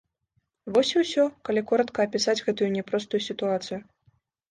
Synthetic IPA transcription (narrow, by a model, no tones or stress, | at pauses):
vɔsʲiwsʲɔkɐlʲikɔɾɐt̪kɐːpʲisad͡zʲɣɛt̪ujunʲɛpɾɔst̪ujusʲit̪uat̪sɨju